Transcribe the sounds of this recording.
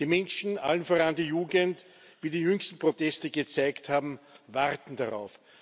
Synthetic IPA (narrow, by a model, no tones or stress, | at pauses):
d̥iːmɛnʃn̩ʔa̰lənfoʁandijuːɡənt | viːdiːjʏŋstn̩pʁ̥otʰɛstəɡət͡saɪkthaːbm̩vaʁtn̩d̥aʁa̰ʊf